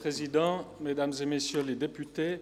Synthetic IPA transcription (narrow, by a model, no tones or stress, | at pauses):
χezid̪ɑ̃med̪amzemesjøled̪epyt̪e